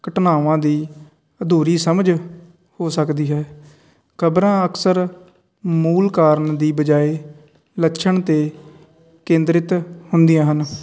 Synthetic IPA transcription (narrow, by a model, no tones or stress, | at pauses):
kəʈnaːʋãːd̪iː | əd̪ʱuːɾiːsəməd͡ʒ | hoːsəkd̪iːɦɛː | kʰəbɾãːəksəɾ | muːlkaːɾɳd̪iːbəd͡ʒaːeː | ləkːʃʰəɳt̪eː | kẽːnd̪ɾɪt̪hʊnd̪iːãːɦən